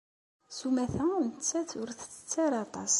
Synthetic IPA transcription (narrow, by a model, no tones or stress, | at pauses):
sumæθænt͡sːæθʊɾθt͡sːə̥t͡sːæɾɑt̪ˤɑ̰s